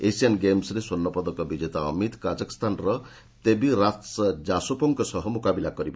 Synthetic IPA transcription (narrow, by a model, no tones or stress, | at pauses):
esianɡemsɾesonːɔpɔd̪ɔkɔbid͡ʒet̪aɔ̰mit̪kad͡ʒaki̥st̪ʰanɾɔ | t̪ebiɾasd͡ʒasopɔŋkɔsɔɦɔmukabilakɔɾibɔ